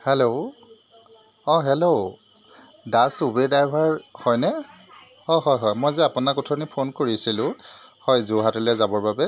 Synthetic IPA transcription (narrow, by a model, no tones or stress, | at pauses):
hɛlo | ɔ̃ɦɛlo | dasubedajbʱaɹhɔjnɛ | ɔɦɔjɦɔjmojzɛapʊnakutʰɔnipʰonkoɹisilʊ̃ | hɔjzuɦatulɛzabɔɹbabɛ